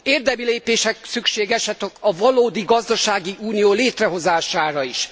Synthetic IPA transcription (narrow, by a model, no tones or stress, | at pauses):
eːrd̪ɛmileːpeːʃɛk̚sykʃeːɡɛʃɛt̪okɒvɒloːd̪iɡɒzd̪ɒʃaːɡiuːnijoːleːt̪rɛɦo̞zaːʃaːɾɒiʃ